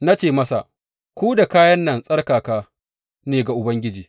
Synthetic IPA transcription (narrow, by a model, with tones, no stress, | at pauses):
na˦t͡ʃeː˦˨mɐ˦sa̰˨ʔ | kʷoː˦da˨kaː˦jɐ˦nːɐ˨nsʼɐ˦rkaː˨kaː˦˨ | neː˨ɡa˨ʔʊ˨bɐ˦ŋɡʲɪ˦d͡ʒiː˨